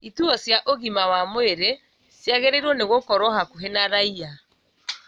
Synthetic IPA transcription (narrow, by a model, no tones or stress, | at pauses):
ituɔsjaʔoɣimawamoeɾe | sjaɣeɾeɾwɔneɣokɔɾwɔhakuɦenaɾaia